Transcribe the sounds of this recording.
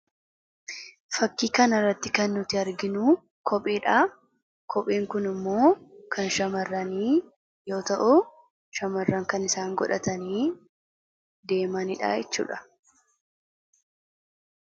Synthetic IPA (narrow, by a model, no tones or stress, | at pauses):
fɐkːiːkɐnɐrːɐt̪ːɪkɐnːʊt̪ɪɐɾɡɪnu | kʰɔpʼeːᶑaː | kʰɔpʼeːŋkʊnɪmːo̞ːkʰɐnʃɐmɐrːɐniː | jo̞ːt̪ɐʔʊ | ʃɐmɐrːɐŋkɐnɪsaːŋɡɔᶑɐt̪ɐniː | d̪e̞ːmɐnɪᶑa̰ːɛt͡ʃːṵːᶑɐ̥